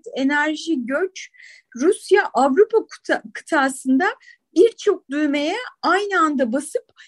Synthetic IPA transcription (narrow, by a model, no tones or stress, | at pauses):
e̞næɾʒiɟøt͡ʃ | ɾusjaʔavɾupʰakʰɯ̥t̪ʰaːsɯnd̪a | biɾt͡ʃʰo̞k̚d̪yjme̞jɛajnɯand̪abasɯp